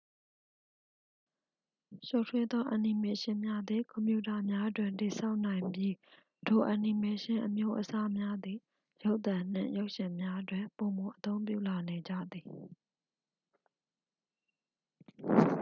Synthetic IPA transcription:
ʃo˦˨tʰwɪ˦d̪ɔ˦ʔã˨ni˨me˨ʃɪ̃˦mja˦d̪ði˨kɔ̃˨mpjṵ˦˨ta˨mja˦dwɪ̃˨nti˨sa˦ʊʔn̥ã˨ɪ̃mbji˦ | d̥o˨ʔã˨ni˨me˨ʃɪ̃˦ʔəmjo˦ʔəsa˦mja˦d̪i˨ | jo˦ʊʔt̪ã˨n̥ɪ̰̃˨jo˦ʊʔʃɪ̃˨mja˦dwɪ̃˨po˨mo˨ʔət̪õ˦ʊ̃mpjṵ˦˨la˨ne˨d͡ʑä̰˦˨d̪ði˨

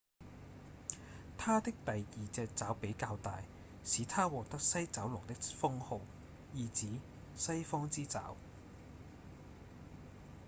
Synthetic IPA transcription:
t̪ʰaː˥t̪ɪ˥k̚t̪ɐ˨jiː˨t͡sɛː˧k̚t͡saː˨˥wpe˨˥jkaː˧wt̪aː˨j | siː˨˥t̪ʰaː˥wɔː˨k̚t̪ɐ˥k̚sɐ˥jt͡sɐ˨˥wlʊ˨˩ŋt̪ɪ˥k̚fʊ˥ŋho˨˧w | jiː˨t͡siː˨˥ | sɐ˥jfɔː˥ŋt͡siː˥t͡sa̰ː˨˥w

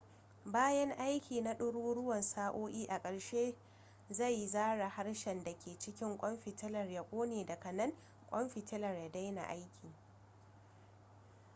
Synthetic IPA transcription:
baː˦jɐ˦ŋʔa˦jkʲʰiː˨na˦ɗʊ˦ɽuː˦ɽʊ˦wɐ˨nsaː˦ʔoː˦ʔʲiː˦ʔa˨kʼɐ˨ɽʃeː˦ | za˦˨jzaː˦ɽa˨ha˦ɽʃɛ˨nda˨kʲʰeː˨t͡ʃɪ˦kʲɪ˦ŋkʷʼɔ˦mɸi˨tɪ˦lɐ˨rja˦kʷʼoː˦neː˨dɐ˨kɐ˨nɐ˦ŋ | kʷʼɔ˦mɸi˨tɪ˦lɐ˨rja˨˦da˦jna̰˨ʔa˦jkʲʰiː˨

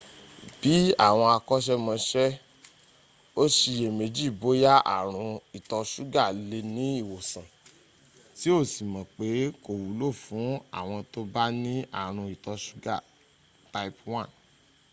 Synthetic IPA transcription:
b̥i˨˦a̰˦˨w̃ɔ̃˧a˧kɔ˦ʃ̬ɛ˦mɔ̃˧ʃɛ˦ | o˦ʃi˧˨je˨me˧d͡ʒi˦˨bo˨˦ja˦ʔa̰˦˨ɾ̃ũ˧i˨tɔ˧ʃu˦ɡa˦˨le˧nĩ˨˦i˦˨wo˨sã˨ | ti˦o˦˨si˨mã˨k͡pe˨˦ko˦˨wu˨˦lo˦˨fũ˨˦a̰˦˨w̃ɔ̃˧to˦ba˦nĩ˦a̰˦˨ɾ̃ũ˧i˨tɔ˧ʃu̥˦ɡa˦˨ | ta˧i˦pwã˦˨n

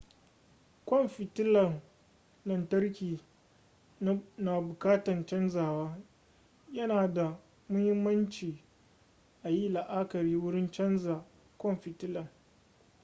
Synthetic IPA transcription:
kʷɔ˦mɸɪ˨tɪ˦lɐ˨ŋ | lɐ˨ntɐ˦rkʲiː˨˦ | na˨bʊ˨kaː˦tɐ˨nt͡ʃɐ˦nzaː˨waː˦ | jɐ˦naː˨da˨ | mʊ˦hɪ˦mːɐ˦nt͡ʃiː˨ | ʔa˨ji˦la˨ʔa˦kɐ˨ɾiː˦wʊ˦ɽɪ˦nt͡ʃɐ˦nzaː˨ | kʷɔ˦mɸɪ˨tɪ˦lɐ˨ŋ

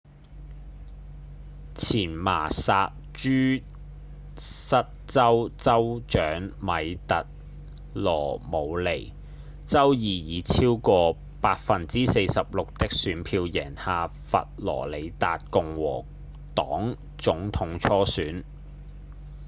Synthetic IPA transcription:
t͡sʰiː˨˩nma̰ː˨˩saː˧t̚t͡ʃyː˥ | sɐ˥t̚t͡sɐ˥wt͡sɐ˥wt͡ʃœː˨˥ŋmɐ˨jt̪ɐ˨t̚ | lɔː˨˩mo˨˧wle˨˩j | t͡sɐ˥wjiː˨˧jiː˨˧t͡sʰiː˥wkɔː˧ | paː˧t̚fɐ˧nt͡siː˥se˧jsɐ˨p̚lʊ˨k̚t̪ɪ˥k̚syː˨˧npʰiː˧wjɛ̰ː˨˩nhaː˨˧fɐ̰˨t̚lɔ̰ː˨˩le˨˧jt̪a̰ː˨t̚kʊ˨ŋwɔ̰ː˨˩ | t̪ɔː˨˥ŋ | t͡sʊ˨˥ŋt̪ʰʊ˨˧˥ŋt͡sʰɔː˥syː˨˥n

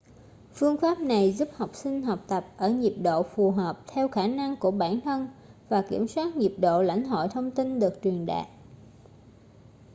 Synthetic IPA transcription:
fɨ˧əŋfaː˦˥p̚na˨˩jzu˦˥p̚ha˨˩wk͡p̚sï˧ŋ̟ɦɔ˨˩wk͡p̚t̪ə˨˩p̚ʔəː˧˩ɲi˨˩p̚ɗo̰˧˨fu˨˩ɦəː˨˩p̚t̪ʰɛ˧wxaː˧˩na˧ŋku˧˩əɓaː˧˩nt̪ʰə˧nvaː˨˩kḭ˧˩əmswaː˦˥t̚ɲi˨˩p̚ɗo̰˧˨la̰˧˩jŋ̟h̪o̰˧˨jt̪ʰə˧wŋ͡mt̪i˧nɗɨ˨˩ək̚t͡ɕwi˨˩ənɗa̰ː˧˨ʔ

